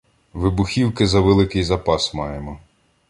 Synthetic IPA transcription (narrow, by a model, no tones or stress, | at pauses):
ʋɪbʊxʲiwkɪzɐʋelˠɪkɪjzɐpɑsmɑjemɔ